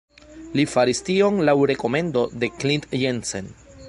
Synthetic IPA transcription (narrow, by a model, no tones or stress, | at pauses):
lifaɾistio̞nlawɾe̞ko̞me̞ndo̞de̞klindjense̞̰n